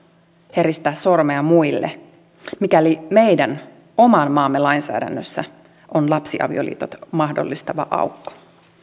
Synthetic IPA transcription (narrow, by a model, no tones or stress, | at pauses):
heɾist̪æːsormeɑmuilːḛ | mikælime̞jdæn | omɑnmɑːmːelɑjnsæ̰ːdæ̰nːøsːæ̰ | ʔonlɑpsiʔɑ̰ʋḭo̞̰lḭːt̪ot̪mɑhdo̰lːist̪ɑʋɑ̰ʔɑ̰ukːo̥